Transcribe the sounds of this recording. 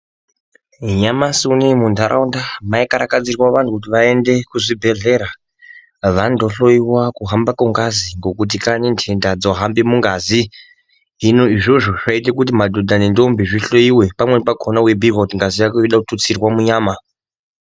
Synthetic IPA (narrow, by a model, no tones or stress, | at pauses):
ɲamasunemund̪ʱaɾʔa̰undamaikaɾakad͡zirwaʋantʰukut̬iʋae̞nde̞kuʐibʱe̞ɮe̞ɾa | ʋando̞ɬo̞jiwakuɦambakuŋɡaziŋɡo̞kut̬ikanentʰendad͡zoɦambemuŋɡazi | ɦinoiʐo̞ʐoʐ̥ait̬akut̬imadʱodʱanendombiʐiɬoiwe̞pamweepakʰonawebiɡotiŋɡazijakuiɗautut͡sirwamuɲaːma